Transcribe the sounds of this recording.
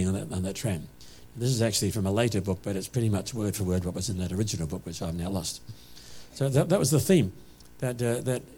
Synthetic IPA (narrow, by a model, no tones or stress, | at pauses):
ɪ̃ŋ̃nə̃nðɨtʰɹ̥æ̃m̃ | nðɪs̬ɨzæk̚t͡ʃʉl̩ˠifɹʌ̃məleɪɾə˞bʊk̚b̥ʌɾɨtspʰɹ̥ɪɾimʌt͡ʃwɜ˞d̥fə˞wɜ˞d̚wʌt̚wʌzɨ̃nðɨɾə˞ɪd͡ʒɨn̩l̩ˠbʊkwɨt͡ʃaɪvnaʊlɔst | soʊðɨtðət̚wʔʌzðəθĩm | ðɨt̪̚ðɨt̚